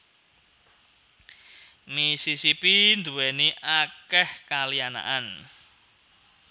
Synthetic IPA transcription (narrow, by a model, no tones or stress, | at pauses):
misisipind̪uwɛniʔakɛhkaliana̰ʔan